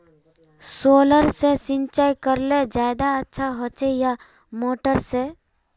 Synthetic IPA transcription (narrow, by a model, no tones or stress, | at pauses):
soːləɾsesɪ̃nt͡ʃaːjkəɾled͡ʒaːd̪aətːʃʰaɦət͡ʃeja | moːʈəɾse